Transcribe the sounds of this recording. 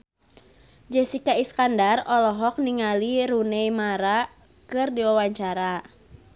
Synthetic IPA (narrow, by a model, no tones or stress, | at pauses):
d͡ʒɛsikaiskandarɔlɔɦɔk̚niŋaliɾunejmaɾa | kɨrdiwawaɲt͡ʃaɾa